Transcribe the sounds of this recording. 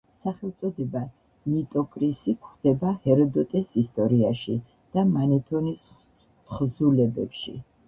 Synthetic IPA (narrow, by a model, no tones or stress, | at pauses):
saχɛlˠt̪sʼɔd̪ɛba | nit̪ʼɔkʼɾisikʰχd̪̥ɛbahɛɾɔd̪ɔt̪ʼɛsist̪ʼɔɾiaʃi | d̪̥amanɛt̪ʰɔnis | χzulɛbɛpʃḭ